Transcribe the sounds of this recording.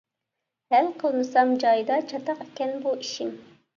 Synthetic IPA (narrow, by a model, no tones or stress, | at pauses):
hælqʰəlˠnɨsɑmd͡ʒɑjd̪ɑt͡ʃʰɑt̪ʰɑqekʲɛnbuiʃim